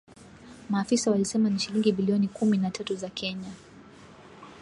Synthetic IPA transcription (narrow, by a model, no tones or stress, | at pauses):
maːfisawalisɛmaniʃiliŋɡibiliɔnikuminatatuzakʰɛɲa